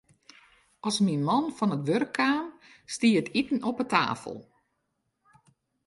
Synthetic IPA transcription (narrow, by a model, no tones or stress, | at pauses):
ɔsminmɔnfɔnətʋørkʰːaːm | stiːətitn̩ɔpətʰa̰ːfə̰lˠ